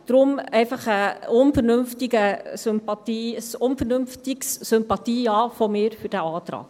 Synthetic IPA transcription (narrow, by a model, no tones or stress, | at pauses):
d̥ɾʊmɛɪfɑχəʊnfəɾnʏmftɪɡəsʏmpɑt̪iːəsʊnfərnʏmftɪksːʏmpɑtiːɑːfomɪːɾfyɾd̥æɑːt̪ɾɑ̰ːk